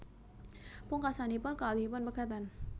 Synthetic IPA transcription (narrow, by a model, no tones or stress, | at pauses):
pʊŋkasanipʊnkaaliipʊnbəkat̪an